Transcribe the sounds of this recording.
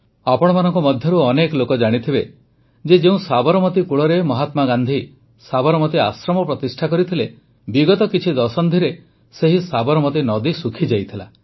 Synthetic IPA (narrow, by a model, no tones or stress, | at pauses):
apɔɽ̃ɔmanɔŋkɔmɔd̪ʱjɔɾuɔnekɔlokɔd͡ʒaɽ̃it̪ʰibe | d͡ʒed͡ʒeũsabɔɾɔmɔt̪ikuɭɔɾemɔɦat̪maɡand̪ʱi | sabɔɾɔmɔt̪iasɾɔmɔpɾɔt̪isʈʰakɔɾit̪ʰile | biɡɔt̪ɔkit͡ʃʰid̪ɔsɔnd̪ʱiɾe | seɦisabɔɾɔmɔt̪̬inɔd̪isukʰid͡ʒajt̪ʰila